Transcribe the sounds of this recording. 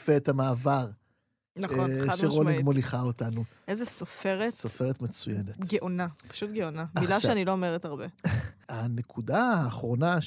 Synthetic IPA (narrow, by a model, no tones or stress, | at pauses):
feːtamaːvaʁ | naχaʃeʁoleɡmoliχaotanu | ezesofeʁetsofeʁetmet͡sujenetɡeʔonapḁʃutɡeonamailaʃeaniloːmeʁetaʁbeanekʰudaaːχʁo̞na